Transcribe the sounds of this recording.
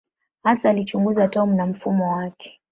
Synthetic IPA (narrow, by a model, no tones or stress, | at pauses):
hasaːlit͡ʃuŋɡuzatɔmunam̩fumɔwakɛ̥